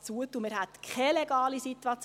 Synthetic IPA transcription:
t͡suət̪umɪɾɦæt̪kχɛlɛɡ̥ɑːlisit̪uɑt͡s

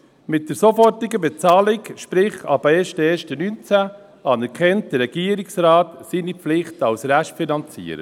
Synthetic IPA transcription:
mɪt̚d̥əɾsofɔrtɪɡəbɛt͡sɑːlɪkʃpɾɪχɑ̰bɛːʃtəɛːʃtənyːnt͡sæ | ɑːnɛɾkʰɛnt̚d̥əɾːɛɡ̥iːəɾɪksɾaːtsiːnipflɪχtɑwsɾæʃtfinɑnt͡sḭːəɾə̰

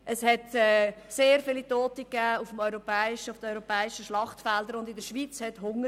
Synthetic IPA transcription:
ʔəshɛtɛːseːɾfɪlitoːtəkːæːufəmɔʏɾɔpɛːɪʃəʊfd̥əɔʏɾɔpɛːɪʃəʃlɑχtfɛldəɾʊndɪdəʃʋit͡shɛtɦʊŋə

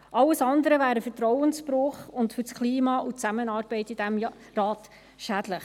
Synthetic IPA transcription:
ʔɑlːəsɑnd̪əɾəvæːɾəfəɾtɾɔwənsbɾʊχʊntfʏɾskʰliːmɑʔut͡sæmənɑːɾbɛɪtid̥æm | rɑːt̪ | ʃæd̥ləχ

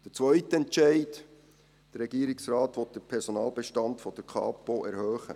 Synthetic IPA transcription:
d̥ət͡sʋœʏtəɛnt͡ʃɛɪt | d̥əɾːɛɡ̥iːəɾɪksrɑːtʋɔt̚d̥əɾpʰɛɾsɔnɑːlbɛʃtɑntfɔd̥əɾkʰɑ̰ːpoʔɛɾhœːχə̰

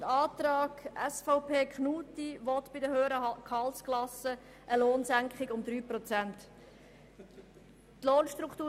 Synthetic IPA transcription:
əɑːt̪ɾɑːɡ̥ɛsfaʊpʰeːkχnuːtiʋɔt̪b̥ɪdəhøːəɾəkʰɑlsklɑsə | ʔəloːnsæŋkχɪɡʊmd̪ɾyːprɔt͡sænt | tloːnʃtɾukʰt̪uː

